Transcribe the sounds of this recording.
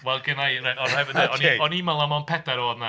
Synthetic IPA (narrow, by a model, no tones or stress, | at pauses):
wɛlˠɡənajraɔnhɛvɪɛɔniɔnimalˠamanpʰɛdaɾoːdna